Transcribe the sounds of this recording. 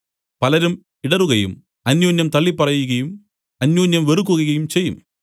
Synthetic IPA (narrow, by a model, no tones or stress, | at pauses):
pɐlɐɾum | iɽɐruɣɐjṵm | ɐnjoːnjɐmt̪ɐɭːipːɐrɐjuɣɐjum | ɐnjoːnjɐmʋeruk̬ːuɣɐɣɐjumt͡ɕe̞jːum